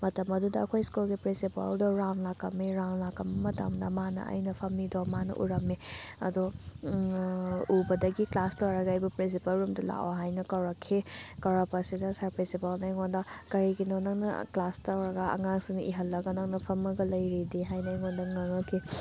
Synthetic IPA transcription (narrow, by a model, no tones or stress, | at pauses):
mɐtɐmɐdudɐɐkʰojskulɡipɾinsipɐ̰ldɔɾawnlakːɐmːiɾawnlakːɐmɐmɐtɐ̰mdɐmanɐ̰ɐ̰jnɐpʰɐmːidɔmanɐ̰ʔṵɾɐmːiɐ̰du | ubɐdɐɡiklastawɾɐɡɐɐjbupɾins̬ipɐlɾumdɐla̰ʔoɦajnɐkɐwɾɐkʰːikɐwɾɐpɐsidɐsaɾpɾinsipɐlnajŋondɐkɐɾiɡinɔnɐŋnɐ̰klastɐwɾɐɡɐɐ̰ŋaŋsinʔḭɦɐlːɐɡɐnɐŋnɐpʰɐmɐɡɐlɐjɾidiɦajnajŋondɐŋɐŋɐkʰːi